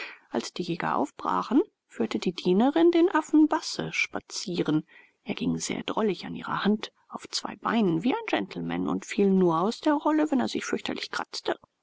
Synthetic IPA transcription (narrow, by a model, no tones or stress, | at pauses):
ʔalsd̥iːjɛːɡɐ̰ʔa̰ʊfb̥ʁa̰ːχn̩ | fyːɐtədiːdiːnəʁɪndeːnʔafn̩basəʃpat͡siːʁən | ʔeːɐɡ̥ɪŋz̥ḛːɐdʁɔlɪçanʔiːʁɐ̰hant | ʔaʊft͡sv̥a̰ɪba̰ɪnənviːaɪnd͡ʒɛntʰl̩mɛ̰nʊ̰ntfiːlnːuːɐaʊsd̥eːɐʁɔləvɛneːɐzɪçfʏɐçtʰɐlɪçkʁ̥a̰t͡stə